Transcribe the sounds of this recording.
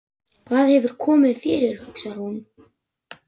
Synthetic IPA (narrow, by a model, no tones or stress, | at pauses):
kʰvaːðhɛvʏɾ̥kʰɔːmɪðfɪːɾɪɾ̥hʏksaɾ̥hun